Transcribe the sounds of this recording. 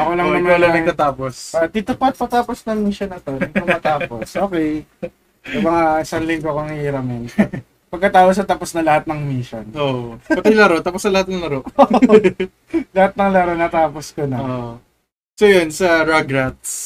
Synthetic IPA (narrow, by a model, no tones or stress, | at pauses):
ʔɐkolɐŋŋnɐmɐnɐɐɡk̪ɐt̪aːpost̪it̪ʊpɐt̪̚pɐt̪aːposnɐŋmiʃonɐt̪onɐmmɐt̪aːposʔo̞ːkɛj | sɐmɐŋaʔɪsaŋlɪŋɡoɐkoŋhhiːɾɐmɛn | pɐɡ̚kɐt̪aːpos̬ɐt̪aːposnɐlɐhat̪̚nɐŋmiʃonʔoʔpɐt̪ɪlɐɾot̪aːposnɐlɐhat̪̚nɐŋlɐɾoʔ | lɐhat̪̚nɐŋlɐɾonɐt̪aːposkonɐo | sojonsɐɾaɡɾat̪̚s